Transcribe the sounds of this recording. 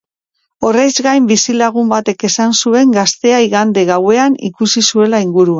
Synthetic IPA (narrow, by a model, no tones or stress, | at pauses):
o̞rejzɣajmbisilaɣumbat̪e̞ke̞sansue̞ŋɡast̪e̞aiɣand̪e̞ɣawe̞anḭkusisue̞laiŋɡuɾua